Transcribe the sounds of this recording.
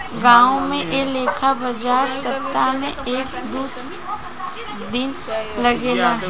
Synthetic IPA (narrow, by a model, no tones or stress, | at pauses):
ɡãːõmẽʔeleːkʰabɐd͡ʒaːɾsɐp̚t̪ːanẽeːkd̪uːt̪ | d̪ɪn | lɐɡeːlaː